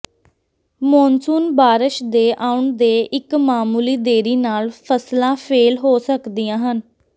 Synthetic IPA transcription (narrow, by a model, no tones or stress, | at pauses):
mɔːnsuːnbaːɾɪʃd̪eːʔaːʊɳd̪eːʔɪkmaːmuːliːd̪eːɾiːnaːlpʰəslãːpʰeːlɦoːsəkd̪iːjãːɦən